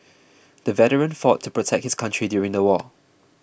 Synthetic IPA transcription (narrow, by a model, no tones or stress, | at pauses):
dəvɛɾəɹə̃nfɔtʰːupʰɹotʰɛk̚t̚hɪskʰãntɹ̥idjuɹɪ̃ŋdəwɔ